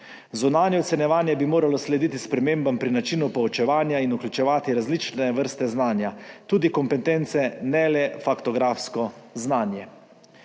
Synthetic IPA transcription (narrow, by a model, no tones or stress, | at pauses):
zunaːnjɛɔt̪sɛnjɛʋaːnjɛbimoːɾalɔslɛd̪iːt̪ispɾɛmeːmbampɾinat͡ʃiːnupɔɔt͡ʃɛʋaːnjainuklʲut͡ʃɛʋaːt̪iɾazlit͡ʃnɛʋəɾst̪ɛznaːnjat̪uːd̪ikɔmpɛt̪ent̪sɛnɛlɛfakt̪ɔɡɾaːfskɔznaːnjɛ